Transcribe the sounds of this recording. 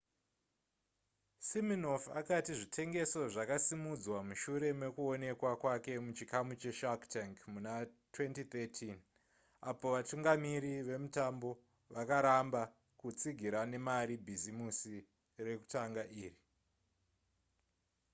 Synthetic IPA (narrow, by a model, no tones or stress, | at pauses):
simino̞fa̰katiʐitʰe̞ŋɡe̞so̞ʐakasimud͡zwamuʃuɾe̞me̞kuo̞ne̞kwakwake̞mut͡ʃikamut͡ʃe̞ʃaktaŋkmunatwe̞ntit̪etʰin | apo̞ʋatuŋɡamiɾiʋe̞mutambo̞ | ʋakaɾamba | kut͡siɡʱiɾane̞maɾibʱizimusi | re̞ku̥taŋɡaʔiːri